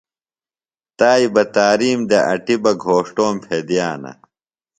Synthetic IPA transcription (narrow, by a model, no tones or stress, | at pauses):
t̪aːibɐt̪aːɾiːmd̪eʔɐ̰ʈibɐɡʱoːʂʈoːmpʰed̪ijaːnɐ̰